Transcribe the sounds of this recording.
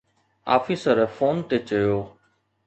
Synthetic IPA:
a̰ːfiːsəɾfʰoːnt̪eːt͡ʃəjoː

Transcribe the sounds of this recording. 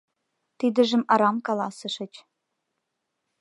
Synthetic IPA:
t̪id̪ə̆ʒə̆mɑɾɑmkɑlˠɑsɤ̆ʃɤ̆t͡ɕ

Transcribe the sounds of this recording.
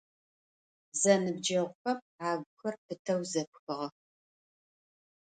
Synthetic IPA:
zɐnɨb̚d͡ʒɐʁʷʊxɐp | aːɡʷxɐrpɨtʰɐwzɐp̚xɨʁɐ

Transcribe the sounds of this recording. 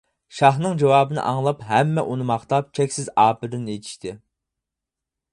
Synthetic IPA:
ʃɑχnɨŋd͡ʒɑwɑːbɨnɨ̰ʔɑŋlˠɑpɦɛmːɛʔunɨmɑχt̪ɑp̚t͡ʃʰɛkʲsɪzɑːpɨd̪ɪnet̪ʰi̥ʃt̪ʰɪ

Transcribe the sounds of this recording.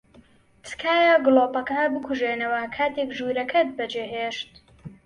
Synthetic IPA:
t͡sɨ̥kaːjaɡɨloːpɐkɐbɨkʰuʒeːnɐwɐkʰaːt̪eːkʒuːɾɐkʰɐt̪̚bɐd͡ʒeːɦeːʃt̪

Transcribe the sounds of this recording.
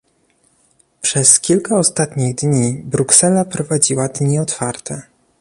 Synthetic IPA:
pʂɛskʲilkaɔst̪at̪ɲiɣd̪ɲibɾuksɛlapɾɔvad͡ʑiwad̪ɲiɔt̪faɾt̪ɛ

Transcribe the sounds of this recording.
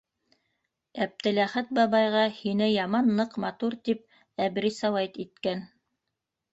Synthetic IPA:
æp̚t̪ɘ̆læχæt̪̚bɑβɑjʁɑhinɘjɑmɑnːɤqmɑt̪uɾt̪ip̚ | æbɾisɑwæjt̪it̪kæn

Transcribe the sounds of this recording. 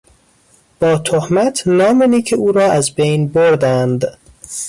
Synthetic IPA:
b̥ɒːt̪ʰohmæt̪ʰnɒːmeniːkʰeuːɾɒːʔæzbejnboɾd̪ænd̪

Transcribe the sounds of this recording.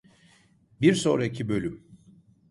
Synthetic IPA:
biɾso̞̰ɾaicʰibø̞lʲym

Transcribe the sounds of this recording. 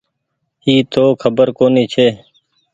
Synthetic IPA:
iːt̪ʰoːkʰəbəɾkoːniːt͡ʃʰeː

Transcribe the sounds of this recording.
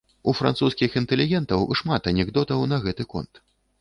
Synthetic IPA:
ufɾa̰nsuskʲixint̪ɛlʲiɣʲɛnt̪ɐwʂmat̪ɐnʲɛɡd̪ɔt̪ɐwnɐɣɛt̪ɨkɔ̰nt̪

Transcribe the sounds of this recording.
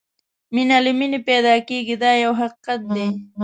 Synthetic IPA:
mɪnalɪmɪnɪpeːd̪akiːkɪd̪ajawɦɑqːɑn̚d̪ej

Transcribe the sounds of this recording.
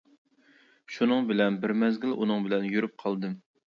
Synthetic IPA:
ʃunɨŋbɪlɛnbɪɾmɛzɡʲilʔunɨŋbɪlɛnjyɾyp̚qʰɑlˠd̪ɨm

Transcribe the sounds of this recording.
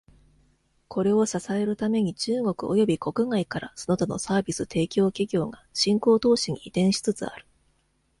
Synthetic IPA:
kʰo̞ɾe̞o̞sasae̞ɾɯ̟t̪ame̞ɲ̟it͡ɕɨːŋo̞kɯ̟o̞jo̞bʲiko̞kɯ̟ŋaikaɾasono̞t̪ono̞̰saːbʲisɨt̪ʰe̞ːkʲo̞ːkʲiɡʲo̞ːɡaɕĩŋko̞ːt̪o̞ːɕiɲ̟iːt̪ẽ̞ɰ̃ɕi̥t͡sɨt͡sɨ̰a̰ɾɯ̟̥

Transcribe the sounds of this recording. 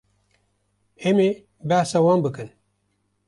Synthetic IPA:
eme | baːsɐwanbɨkɨn

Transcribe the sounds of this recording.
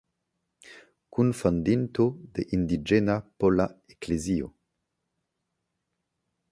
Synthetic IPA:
kunfand̪int̪od̪ḛʔind̪id͡ʒenapolaeklezio̰

